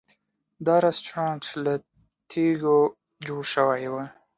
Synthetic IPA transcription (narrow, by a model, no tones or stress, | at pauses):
d̪ɑɾɑst͡ʃɾɑnt͡ʃla | t̪ʰeɡo | d͡ʒoɽʃəwajwa